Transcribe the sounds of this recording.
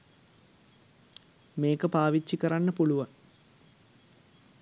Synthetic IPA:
meːkɐpaːʋit͡ɕːikɐranːɐpuɭuʋɐn

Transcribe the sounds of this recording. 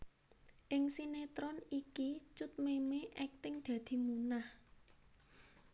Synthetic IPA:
ʔɪŋsinet̪ɾɔnikit͡ʃʊt̪̚memeʔɛk̚t̪ɪŋd̪̥ä̤d̪̥i̤munah

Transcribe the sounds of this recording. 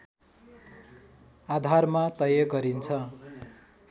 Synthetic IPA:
ad̪ʱarmat̪ʌjʌɡʌɾint͡sʰʌ

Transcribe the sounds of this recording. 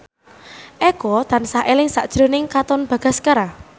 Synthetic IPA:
ʔɛɡɔt̪ansaʔelɪŋsa̰ʔd̥ʒ̥ɾonɪŋkat̪ɔnb̥ä̤ɡ̥a̤skəɾa

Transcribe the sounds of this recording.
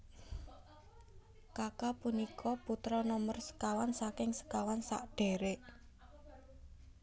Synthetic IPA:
kakapunikʰɔput̪ɾɔnɔmərsə̥kawansakɪŋsə̥kawansa̰ʔɖ̥e̤ɾeʔ

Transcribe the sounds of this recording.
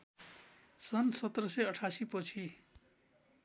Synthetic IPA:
sʌnsʌt̪ːrʌsʌjʌʈʰasipʌt͡sʰi

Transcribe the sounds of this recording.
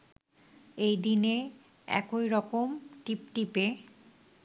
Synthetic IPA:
ejd̪ine | ɛ̰kojɾɔkomʈipʈipe

